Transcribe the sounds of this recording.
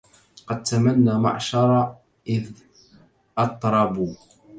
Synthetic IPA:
qɑd̪̚t̪amanːaːma̰ʕʃɑɾˤɑ | ʔɪð | ʔɑt̪ˤɾˤɑbuː

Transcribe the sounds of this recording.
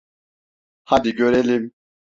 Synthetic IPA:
had̪iɡøɾɛlim

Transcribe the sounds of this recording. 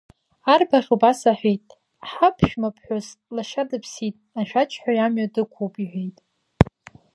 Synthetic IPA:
arbaχʲobasaħʷᶣejtʼ | ħapʰʃᶣmapʰħʷᶣozlaʃadɨpʰsitʼaʃᶣat͡ʃʼʰħʷᶣajamɥadɨkʷʰupʼiħʷᶣejtʼ

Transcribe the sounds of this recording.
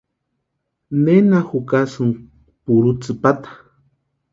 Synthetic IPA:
nenaxukasɨŋ | puɾut͡sɨpat̪ḁ

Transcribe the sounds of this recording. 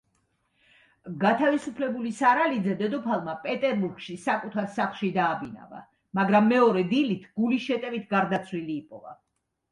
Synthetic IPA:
ɡat̪ʰavisupʰlɛbulisaɾalid̪zɛd̪ɛd̪ɔpʰalˠmapʼɛt̪ʼɛɾbuɾɡʃisakʼut̪ʰaɾsaχlˠʃid̪aːbina̰va̰ | maɡɾamːɛɔɾɛd̪ilit̪ʰɡ̥ulisʃɛt̪ʼɛvit̪ʰɡaɾd̪at̪sʰwiliːpʼɔ̰va̰

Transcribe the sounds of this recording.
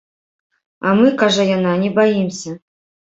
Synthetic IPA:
amɨkaʐɐjananʲɛbajimsʲɐ

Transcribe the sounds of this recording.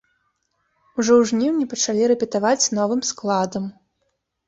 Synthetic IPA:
uʐɔwʐnʲiwnʲɛpɐt͡ʂalʲiɾɛpʲɛt̪avat͡sʲn̪ɔvɨmsklˠad̪ɐm

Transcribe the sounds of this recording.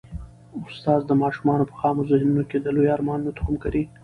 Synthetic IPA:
ʊst̪ɑːzd̪əmɑʃumɑnopə̥xɑmozahnunoked̪əlojɑɾmɑnnot̪ḁhʊmkaɾi

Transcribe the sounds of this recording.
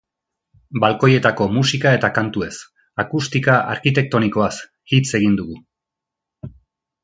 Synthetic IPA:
balko̞je̞t̪ako̞musikaet̪akant̪ue̞s | akust̪ikaʔa̰ɾkit̪e̞k̚t̪o̞niko̞as | hit͡se̞ɣ̞ind̪uɣu

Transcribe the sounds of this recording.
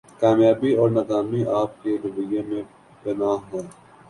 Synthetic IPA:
kaːmjaːbiɔːɾnɐɡ̪aːmiʔaːp̚keɾʊbəjẽmẽ | bɪnaːɦoː

